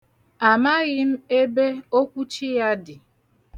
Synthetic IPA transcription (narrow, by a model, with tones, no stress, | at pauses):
a˨ma˦ɣɪ˦m̩˦e˦be˦o˦kʷu˦t͡ʃi˦ja˦dɪ˨